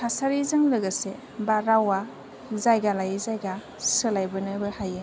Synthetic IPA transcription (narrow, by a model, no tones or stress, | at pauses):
kʰasaɾizɯŋlɯɡɐse | baɾawa | zajɡalajzajɡa | sɯlajbɯnɯbɯhajɯ